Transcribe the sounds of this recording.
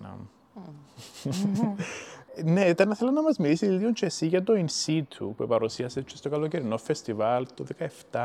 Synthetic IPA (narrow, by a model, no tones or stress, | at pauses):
ɐ̰ | neit̪ɐnɐθelɐnːɐmɐzmilisiiiont͡ʃʰesiʝɐt̪oinsit̪ʰṵpuepɐɾusiɐset͡ʃʰːest̪okɐloceɾino̞fest̪ivɐlt̪oðekɐeft̪ɐ